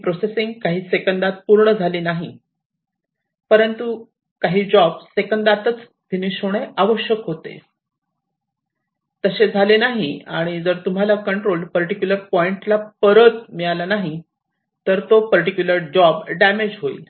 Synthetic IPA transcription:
pɾosesiŋɡ̚kaɦiːsekənd̪at̪̚puɾɳəd͡zʱaliːnaɦi | pəɾənt̪u | kaɦiːd͡ʑɔbsekənd̪at̪ət͡s | ʋ̪ʱiniɕoɽ̃eʔaʋəɕjəkɦot̪ḛ | t̪əɕed͡zʱalenaɦiaɽ̃id͡zəɾt̪um̤alakəɳʈɾolpəɾʈikjuləɾpɔiɳʈlapəɾət̪miɭalanaɦi | t̪əɾt̪opəɾʈikjuləɾd͡ʑɔbɖæmed͡ʑɦoḭːl

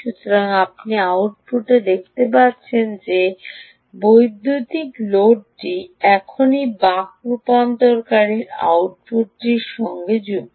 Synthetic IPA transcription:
ʃut̪oɾaŋap̚niawʈpuʈed̪ek̚ʰt̪epaɾt͡ɕʰend͡ʑe | bojd̪ʱːut̪ikloɖʈiɛkʰonibakupant̪oɾkaɾiɾa̰wʈ̚puʈːiɾʃɔŋɡed͡ʑuɡ

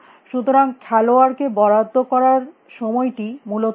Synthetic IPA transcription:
ʃut̪oɾaŋkʰɛloaɾkebɔɽad̪ʱːokɔɾaɾ | ʃɔmɔjʈimulo

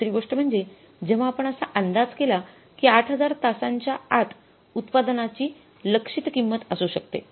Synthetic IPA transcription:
sɾiːɡoʂʈəm̤əɳd͡ze | d͡ʑeʋ̤aːpəɳəsaʔənd̪ad͡zkela | kiːaʈʰɦəd͡zaɾt̪asaɲt͡ɕjaat̪ | ut̪pad̪nat͡ɕiː | ləkʂit̪kimːət̪əsuɕək̚t̪ḛ

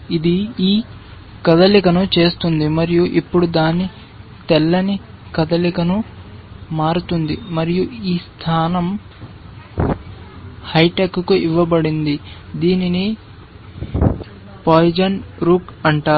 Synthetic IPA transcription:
id̪iiː | kɐd̪ɐlikɐnut͡ʃe̞ːst̪und̪imɐɾijuʔipːuɽud̪aːni | t̪ɛlːɐni | kɐd̪ɐlikɐnu | maːɾut̪und̪imɐɾijuiːst̪ʰaːnɐm | hɐjʈekukuʔiʋːɐbɐɽind̪id̪iːnini | pojd͡ʒɐnɾuːkɐɳʈaːu

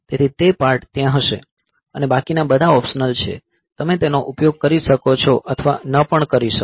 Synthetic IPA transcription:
t̪et̪ʰit̪epaɾʈt̪jãɦəʃḛ | ənebakinabəd̪ʱaɔpʃənəlt͡ʃʰḛ | t̪əmet̪enoʔupjoɡ̚kəɾiʃəkot͡ʃʰɔʔət̪ʰəʋa̰nəpəɳkəɾiʃə

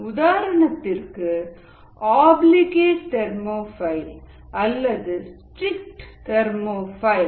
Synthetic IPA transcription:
ʊðaːɾɐɳɐt̪ːɪɾkːɯ | aːblɪɣeːʈʈɛɾmoːfɐɪl | ʔɐlːɐðɯsʈɾɪk̚ʈtɛɾmoːfɐɪl

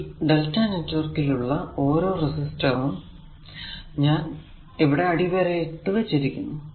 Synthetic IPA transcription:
ɖɐltːaːnɐt͡ɕːorkiluɭːɐo̞ːɾo̞ːresistɐʋum | ɲaːn | eʋiɽe̞ɐɽiʋeɾejeʈːɨʋɐt͡ɕːiɾikʲːunːu

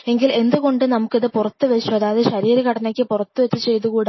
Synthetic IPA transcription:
eŋɡile̞nd̪uɣo̞ɳɖɨnɐmukːiðɨpurɐt̪ːɨʋet͡ɕːuɐðaːðeɕɐɾiːɾɐkɐɽɐnɐkʲːɨpurɐt̪ːuʋet͡ɕːɨt͡ɕe̞jt̪uɣuːɽ

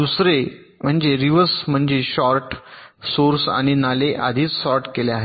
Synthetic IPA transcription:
d̪usɾe | m̤əɳd͡ʑeɾiʋəsm̤əɳd͡ʑeɕɔɾʈsoɾsa̰ɽ̃inaleʔa̰d̪ʱiːt͡ssɔɾʈkeleaɦe

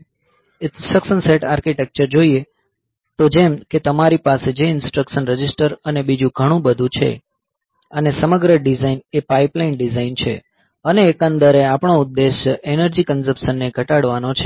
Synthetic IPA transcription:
səkʃənseʈaɾkiʈek̚t͡ʃəɾd͡ʒoie | t̪od͡ʒemket̪əmaɾipased͡ʒeɪnsʈɾəkʃənɾəd͡ʒɪsʈəɾənebid͡ʒũɡʱəɽ̃ũbəd̪ʱũt͡ʃʰḛ | ənesəməɡɾəɖizainepaiplainɖizaint͡ʃʰḛ | əneːkãnd̪əɾeapɳoʊd̪ːeʃenəɾd͡ʒikənsəpʃənːeɡʱəʈaɽʋanot͡ʃʰe

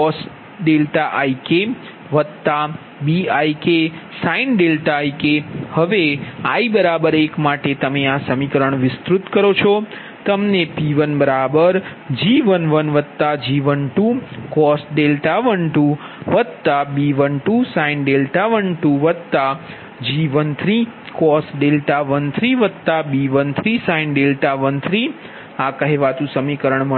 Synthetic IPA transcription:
kɔsʈ | ɖelʈaʔaike | ʋəd̪̚t̪a | biaikesainɖelʈaikehəʋea̰ibəɾabəɾekmaʈet̪əmeasəmikəɾəɳʋɪst̪ɾut̪kəɾot͡ʃʰɔ | t̪əmnepiʋənbəɾabəɾd͡ʒiʋənʋənʋəd̪̚t̪ad͡ʒiʋənʈũkɔsɖelʈaʋəɳʈũ | ʋəd̪t̪abiʋənʈusainɖelʈaʋəɳʈũʋəd̪t̪a | d͡ʒiʋənt̪ʰɾi | kɔsɖelʈaʋənt̪ʰɾiʋəd̪t̪abiʋənt̪ʰɾisãinɖelʈaʋənt̪ʰɾi | akəɦeʋat̪ũsəmikəɾəɳmə

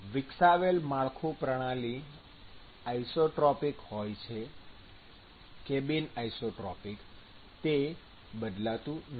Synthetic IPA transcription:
ʋɪksaʋelmaɭkʰũpɾəɽ̃ali | ajsoʈɾɔpikhojt͡ʃʰe | kebinajsoʈɾɔpik | t̪e | bəd̪lat̪ũn

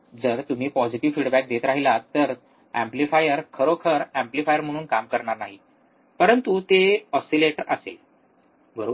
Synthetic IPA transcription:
d͡zəɾt̪um̤iːpɔd͡ziʈiʋfiːɽbæk̚d̪et̪ɾaɦilat̪ːəɾ | æ̃mplifajəɾkʰəɾokʰəɾæ̃mplifajəɾm̤əɽ̃uːnkamkəɾɳaɾnaɦi | pəɾənt̪ut̪eɔsileʈəɾʔə̰sḛ | bəɾo

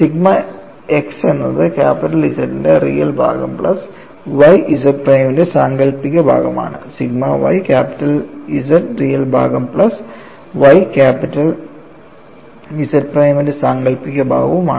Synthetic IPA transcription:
siɡmɐ | eksenːɐðɨkaːpiʈːɐlisɐʈːinderḭjɐlbʱa̰ːɡɐ̰mpɭɐs | ʋɐjis̬ɐʈ̚prɐjmindesaːŋɡɐɭpːikʲːɐbʱa̰ːɡɐma̰ːɳɨ̰siɡmɐʋɐ̰jkʲaːpi̥ʈːɐlisɐʈrijɐlbʱa̰ːɡɐmpɭɐs | ʋɐjkaːpiʈːɐl | isɐʈ̚prɐjmindesaːŋɡɐɭpːikʲːɐbʱa̰ːɡɐʋuma̰ːɳɨ

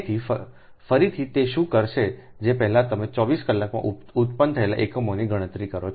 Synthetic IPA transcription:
t̪ʰifə | fəɾit̪ʰit̪eʃũkəɾʃe | d͡ʒepɛɦlãt̪əmet͡ʃɔʋiskəlːakmã̰ʔ | ut̪pənt̪ʰəela̰ʔekəmoniɡəɽ̃ət̪ɾikəɾo

